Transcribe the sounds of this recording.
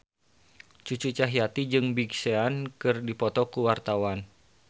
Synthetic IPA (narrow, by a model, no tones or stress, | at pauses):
t͡ʃut͡ʃut͡ʃaɦjat̪id͡ʒɨŋbiɡseankɨrdipɔt̪ɔkuwart̪awan